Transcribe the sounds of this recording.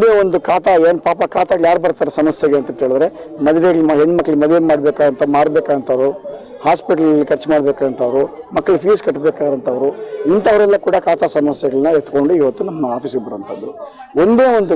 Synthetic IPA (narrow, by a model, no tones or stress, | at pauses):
ond̪eːond̪ukaːt̪aeːnpaːpɐkaːt̪aɡɐjaːɾubɐɾt̪aːɾesɐmɐsjɐɡeɐnt̪ɐt̪eːɭid̪ɾe̞mɐd̪iʋeːɡɐɭimaɦeɳːmɐkːɐɭimɐd̪ʋeɡmaːɽbeːkaːdɐnt̪ɐmaːɽbeːkaːd̪ɐnt̪ʰaʋɾu | haːspiʈɐlɐlːikʰɐɾt͡ʃmaːɽbeːkaːɐnt̪ʰaːʋɾumɐkːɐɭupʰiːskɐʈːbeːkaːɾɐnt̪ʰɐːʋɐɾuint̪ɐːʋɐɾɛlːɐkuːɽɐkaːt̪asɐmɐsjɛɡɐɭɐnːɐet̪ːko̞ɳɖuiʋɐt̪ːunɐmːɐaːpiːsɡbɐɾɐnt̪ʰɐd̪ːu | o̞nd̪e̞ːond̪u